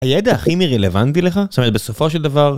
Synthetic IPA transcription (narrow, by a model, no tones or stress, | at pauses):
hajed̪aːχimiʁelevant̪ileχasstomeet̪beso̞fo̞ʃeld̪avaʁ